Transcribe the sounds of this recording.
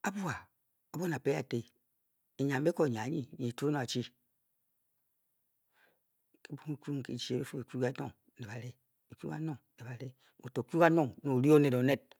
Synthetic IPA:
a˦bu˦a˨ | o˦bo˦na˨pe˦a˨te˨ | e˨ɲa˨m˦be˦ko˦e˨ɲ˨a˨˦ɲi˦˨ɲi˨tu˦e˦no˨a˨t͡ʃi˦˨ | ke˦bu˦ŋ˦ku˦ŋ̩˨kḛ˨t͡ʃi˦e˨be˦fo˦e˨ku˦ka˦to˦ŋ˨e˨ba˨ɾe˦˨ | kṵ˦a̰˦no˨ŋ˨ne˨ba˨ɾe˦ | o˨to˨ku˦ka˦no˦˨ŋno˨ɾi˦o˦ne˨do˨˦ne˦t̚

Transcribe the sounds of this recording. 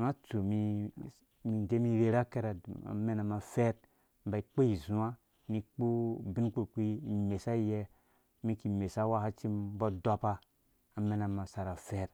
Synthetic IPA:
na˦t͡su˨mi˨ | mi˨nd͡ʒe˦mi˦ɾe˨ɾa˦ke˦ɾa˨a̰˨me˦na˨ma˨fe˦ɾ | m̩˦ba˨i˨k͡po˦i˨zũ˦a˦ | ni˧k͡pu˦bi˦nk͡pu˦˨kʷi˦i˨me˨sa˦jɛ˦ | mi˦ki˨me˨sa˦wa˦ha˦t͡ʃi˦m˦bɔ˦dɔ˦pa˦ | a˨me˦na˨ma˨sa˨ɾa˨fe˦ɾ

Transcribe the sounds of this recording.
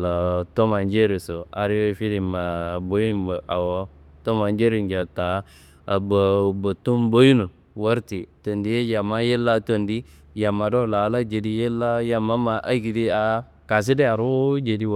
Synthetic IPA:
la˨to˦ma˨n˦d͡ʒe˦ɾe˨so˨a˨ɾi˦we˦fi˦ɾi˨ma˨bo˦ji˦nbə˨ʔa˨wo˦to˦ma˨nd͡ʒe˦ɾi˨nd͡ʒa˨ta˨˦ | a˨bə˨bə˨tu˦mbo˦ju˦nu˨ | wa˦ɾti˨to˨ndi˦je˦ja˨mːa˦je˦lːa˦to˨ndi˦ | ja˨mːa˨do˦˨la˨˦la˦d͡ʒe˨di˦je˦lːa˦ja˨mːa˦ma˨ʔa˦ɡi˨di˦a˨˦ | ka˨s̬i˦de˦a˨ɾu˦d͡ʒe˨di˦

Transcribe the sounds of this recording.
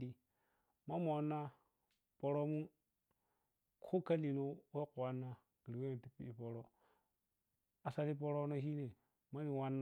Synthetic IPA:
di˦ | ma˦m˦o˨˦nːa˦ | pɔ˨ɾo˦mu˦ | kʰo˦ka˦li˨no˦we˦kwa˨nːa˦ | ɡi˨ɾi˨we˦ni˨ti˦pi˦i˨pɔ˨ɾɔ˦ | a˨sa˦li˦pɔ˦ɾɔ˦no˦ɦi˦ne˨ | ma˦ni˨wa˦nː˦

